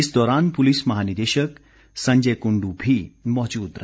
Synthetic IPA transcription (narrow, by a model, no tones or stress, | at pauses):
isd̪ɔɾanpulisməɦanid̪eʃək | sə̃ɲd͡ʒekuɳɖubʱimɔt͡ʃuːd̪ɾə